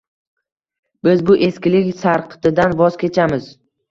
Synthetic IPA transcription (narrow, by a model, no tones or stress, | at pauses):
bɪzbʊʔe̞skʲɪlɪkʲsaɾqʰɨ̥t̪ɪd̪anvɒz̥kʲʰe̞t͡ʃʰamɪz